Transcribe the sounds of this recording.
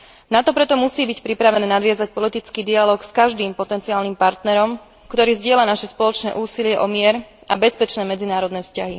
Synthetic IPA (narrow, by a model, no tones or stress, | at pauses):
nat̪ɔpɾɛt̪ɔmusiːbicpɾipɾaʋɛnɛːnad̪ʋɪazac̚pɔlit̪it͡skiːd̪ialɔːkskaʒd̪iːmpɔt̪ɛnt͡siaːlnimpaɾt̪nɛɾɔm | kt̪ɔɾiːzɟɪɛlanaʃɛspɔlɔt͡ʃnɛ̰ːʔuːsilɪɛʔɔmɪɛɾabɛspɛt͡ʃnɛːmɛd͡zinaːɾɔd̪nɛːfscaɦi